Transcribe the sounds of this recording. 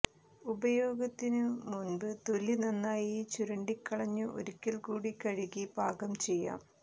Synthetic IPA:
ubɐjoːɡɐt̪ːinɨmunbɨt̪olinɐnːaːjiːt͡ɕuɾɐɳɖikːɐɭɐɲːɨʔo̰ɾikʲːɐlkuːɽikɐɻiɣibʱaːɡɐmt͡ɕe̞jːa̰ːm

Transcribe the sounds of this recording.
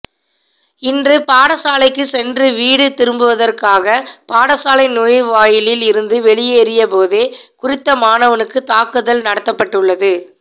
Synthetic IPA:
ɪndrɯpaːɽɐsaːlɐɪkːɯsɛndrɯʋiːɽɯt̪ɪɾɯmbɯʋɐðɐrkaːɣɐpaːɽɐsaːlɐɪnʊɪʋaːjɪlɪlɪɾɯnd̪ɯʋɛɭɪjeːɾɪjɐpoːðeːkʊrɪt̪ːɐmaːnɐʋɐnɯkːɯt̪aːkɯðɐlnɐɽɐt̪ːɐpːɐʈːɯɭːɐðɯ

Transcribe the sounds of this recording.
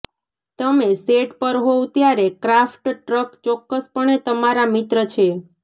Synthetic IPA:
t̪əmeseʈpəɾɦot̪jaɾekɾafʈʈɾəkt͡ʃɔkːəspəɳ̃et̪əmaɾamɪt̪ɾət͡ʃʰe

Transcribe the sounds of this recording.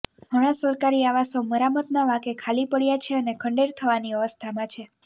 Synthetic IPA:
ɦəɽ̃asəɾkaɾiaʋasoməɾamət̪naʋakekʰalipəɭjat͡ʃʰeənekʰə̃ɳɖeɾt̪ʰəʋaniəʋəst̪ʰamãt͡ʃʰe

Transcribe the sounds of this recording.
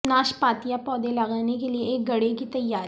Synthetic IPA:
naːʃpaːt̪ijapɔːd̪elaɣaːnek̬elieeːk̚ɡɐɽekit̪ɐjːaːɾ

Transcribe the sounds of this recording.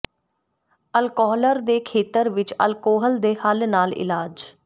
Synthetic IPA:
əlkɔːɦləɾd̪eːkʰeːt̪əɾʋɪt͡ʃə̰lkoːɦəld̪eːhəlnaːlɪ̰laːd͡ʒ

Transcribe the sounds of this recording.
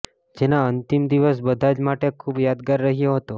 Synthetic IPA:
d͡ʒenaənt̪imd̪iʋəs̬bəd̪ʱad͡ʒmaʈekʰuːbjad̪ɡaɾːəɦijoɦət̪o

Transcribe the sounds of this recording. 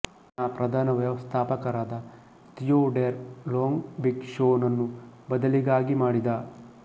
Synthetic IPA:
aːpɾɐd̪ʱaːnɐʋjɐʋɐst̪ʰaːpɐkɐɾaːd̪ɐ | t̪ijoːɖeɾloːŋɡbiɡʃoːnɐnːubɐd̪ɐliɡaːɡimaːɽid̪aː

